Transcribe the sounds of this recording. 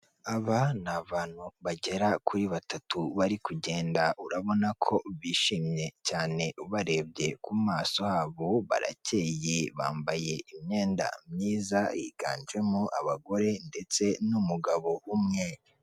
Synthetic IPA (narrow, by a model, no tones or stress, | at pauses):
aβanaβaːn̥huβaɟe̞ɾakʰuɾiβatatuβaɾikuɟe̞ːndaʔuɾaβo̞nakʰo̞βiːʃiːmɲe̞caːne̞uβaɾe̞bɟe̞kumaːso̞haːβoβa̰ɾa̰ce̞ːjeβa̰ːmbaje̞imɲeːnda̰mɲiːzajiɡ̥a̰ːnd͡ʒwe̞moʔa̰βaɡo̞ɾe̞nde̞t͡se̞numuɡaβo̞umŋe